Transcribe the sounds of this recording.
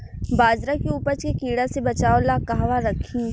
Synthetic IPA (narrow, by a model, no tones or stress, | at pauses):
baːd͡ʒɾakiuːpəɾt͡ʃkekiːɽasebɐt͡ʃaːolaːkaɦʋaɾɐkʰĩː